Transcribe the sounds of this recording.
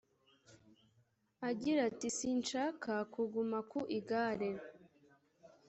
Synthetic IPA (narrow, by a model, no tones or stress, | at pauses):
aɟiɾatisiːnʃaːkakuɡumakuʔiɡaːɾe